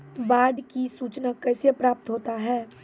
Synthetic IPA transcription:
ʋaːɖkisuːt͡ʃnakɛːsepɾaːp̚t̪ɦoːt̪aɦɛː

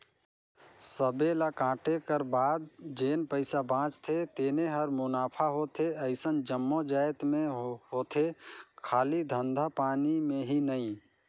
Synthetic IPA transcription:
səbelakãːʈekəɾbaːd̪̚d͡ʒeːnpəɪsabʱãːt͡ʃt̪ʰet̪eːneɦəɾmʊnaːpʰaɦot̪ʰeəɪsənd͡ʒəmːod͡ʒaːjt̪mẽɦoːt̪ʰekʰaːlid̪ʱə̃nd̪ʱapaːnimẽɦinəĩ

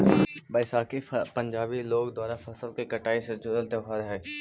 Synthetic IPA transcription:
bɐɪsaːkipɐ̃ɲd͡ʒaːbiloːɡd̪aːɾafɐsəlkikɐʈaːised͡ʒʊzəlt̪eɦaːɾɦɛː

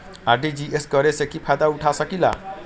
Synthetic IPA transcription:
arɖid͡ziʔesɡʌɾesekipʰajd̪auʈʰasʌkila̰

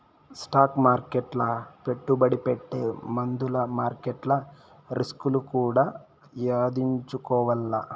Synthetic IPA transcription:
sʈaːkmaːɾkeʈlɐpeʈːubɐɽipeʈːemɐnd̪ulɐmaːɾkeʈlɐ | ɾiskulukuːɽɐ | jaːd̪iɲt͡ʃukɔʋɐlːɐ̰

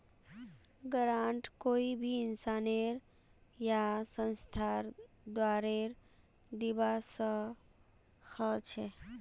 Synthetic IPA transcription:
ɡəɾãːɳʈkoːibʱiɪnsaːneɾ | jasə̃nst̪ʰaɾ | d̪waːɾeɾ | d̪ibasə | hət͡ʃʰe

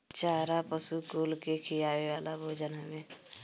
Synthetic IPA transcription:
t͡ʃaːɾapəsukoːlkekʰijaːweʋaːlabʱoːd͡ʒənɦəmẽː

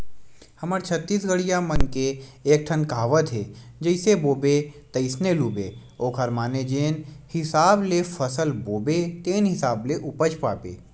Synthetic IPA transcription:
hɐməɾt͡ʃʰət̪ːiːsɡəɽijamənkeːk̚ʈʰənkaːʋət̪ɦeː | d͡ʒəɪseboːbet̪ɐɪsneluːbeː | oːkʰəɾmaːned͡ʒeːnhɪsaːblefʰəsəlboːbet̪eːnɦɪsaːbleʔʊpəd͡ʒpaːpḛː

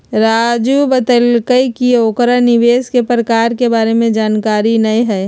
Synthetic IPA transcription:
ɾaːd͡ʒubət̪əlkəikioːkɾanɪʋeːskepɾəkaːɾkebaːɾemẽd͡ʒaːnkaːɾinɐiɦɛː

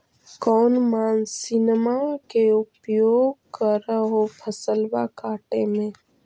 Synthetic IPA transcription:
kɔːnmaːnsɪnmakeupjoːɡkəɾəɦopʰəsəlbakaːʈemẽ

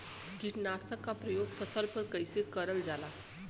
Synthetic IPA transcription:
kiʈnasakːapɾəjoɡfəsəlpəɾkəjsekəɾəld͡zala

